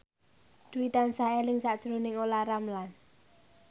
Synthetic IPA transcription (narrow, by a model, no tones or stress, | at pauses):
d̪̥uwit̪ansaelɪŋsaʔd̥ʒ̥ɾonɪŋolaɾamlan